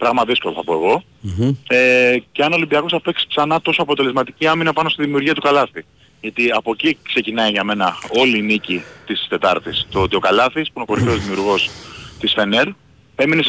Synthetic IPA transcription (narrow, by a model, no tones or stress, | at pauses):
pɾɐɣmɐðisko̞loθɐpo̞eɣo̞ | eceɐnolimbiɐkosθɐpe̞ksi̥spsɐnɐt̪o̞soɐpo̞t̪e̞le̞zmɐt̪i̥ciɐminɐpɐno̞st̪iðimiuɾʝiɐt̪ukɐlɐθi | ʝɐt̪iɐpo̞cikse̞cinɐiʝɐme̞nɐo̞liːnicit̪ist̪e̞t̪ɐɾt̪ist̪oo̞t̪io̞kɐlɐθispuinoko̞ɾifeozðimiuɾɣo̞st̪isfe̞neɾ | e̞mine